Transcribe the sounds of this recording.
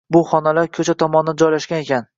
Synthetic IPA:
bʊχɒnalaɾkʲʰɵt͡ʃʰat̪ʰɒmɒnɪd͡ʒɒjlaʃɡʲane̞kʲʰan

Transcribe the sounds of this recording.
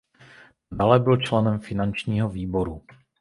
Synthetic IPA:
dalɛbɪlt͡ʃlɛnɛmfɪnant͡ʃɲiːɦoviːbo̞ɾu

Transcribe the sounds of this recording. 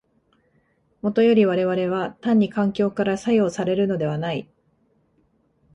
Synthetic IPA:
mo̞t̪o̞jo̞ɾʲiβ̞aɾe̞βaɾe̞βat̪ãɲ̟ːikãŋkʲo̞ːkaɾasajo̞ːsaɾe̞ɾɯ̟no̞d̪e̞β̞anai

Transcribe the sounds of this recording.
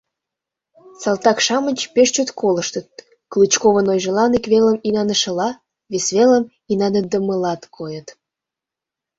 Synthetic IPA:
sɑlt̪ɑkʃɑmənʲt͡ɕpeʃt͡ɕøt̪kʰoləʃt̪ət̪̚ | klɨt͡ɕkoβənojʒə̆lɑnikβeləminɑnəʃə̆lɑ | βesβeləm | inɑnəd̪əməlɑt̪kʰojət̪

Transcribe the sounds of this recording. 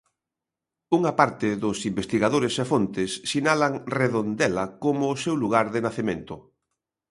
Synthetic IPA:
uŋɐpaɾt̪ɪðʊsimbest̪iɣaðoɾesefont̪ɪsːinalaŋreðond̪ɛlɐkomʊːsewluɣaɾðɪnaθemẽnt̪ʊ

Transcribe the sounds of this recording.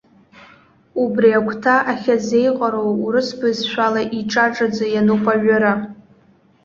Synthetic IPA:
ubriakʷʰtʰaʔaχʲazejqʼaɾowuɾɨsbɨzʃʷᶣalaʔiʈ͡ʂʼaʈ͡ʂʼad͡zajanuqʷʼaɥᶣʊɾa

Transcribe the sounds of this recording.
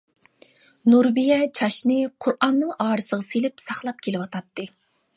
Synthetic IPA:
nuɾbijɛt͡ʃʰɑʃnɨqʰʊɾʔɑnːɨŋʔɑːɾɨsəʁɑselɪpsɑχlˠɑp̚kʲʰelɪwɑt̪ʰɑt̪ːɨ

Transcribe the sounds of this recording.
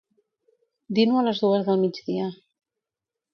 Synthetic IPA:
d̪inuələzðuəzðəlˠmid͡ʒðiə

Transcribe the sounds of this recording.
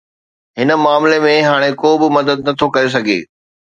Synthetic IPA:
ɦɪnə̆maːmlemẽɦaːɽ̃ekoːbɪmɐd̪əd̪nɐt̪ʰokɐɾes̬ɐɡʱḛː

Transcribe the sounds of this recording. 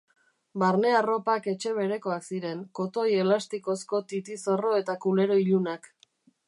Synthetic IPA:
baɾne̞aro̞pake̞t͡ʃe̞β̞e̞ɾe̞ko̞aksiɾe̞ŋko̞t̪o̞je̞last̪iko̞sko̞t̪it̪iso̞ro̞e̞t̪akule̞ɾo̞iʎunak

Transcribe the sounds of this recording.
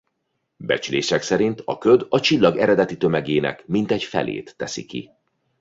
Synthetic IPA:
bɛ̰t͡ʃyleːʃɛksɛɾint̪ʰɒkød̪ɒt͡ʃilːɒɡɛɾɛd̪ɛt̪it̪ø̞mɛɡeːnɛ̰kmint̪ɛɟfɛ̰lʔḛːt̪ːɛsḭkḭ

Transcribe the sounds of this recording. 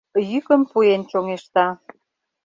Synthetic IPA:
jykəmpuent͡ɕoŋeʃt̪ɑ

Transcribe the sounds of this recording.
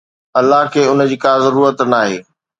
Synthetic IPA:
ɐlːaɦkʰeːʊnə̆d͡ʑiːkaːzɐɾuːɾət̪naːɦḛː

